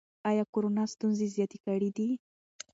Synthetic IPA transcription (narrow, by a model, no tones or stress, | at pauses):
ɑjɑkoɾonɑst̪unzezjɑt̪ekaɽid̪i